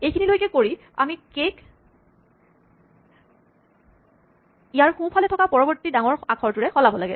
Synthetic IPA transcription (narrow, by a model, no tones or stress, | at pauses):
ejkʰinilojkɛkoɹi | a̰mikek | ijaɹxupʰalɛtʰɔkapɔɹɔbɔɹtːidaŋɔɹakʰɔɹtuɹɛxɔlabɔlaɡɛ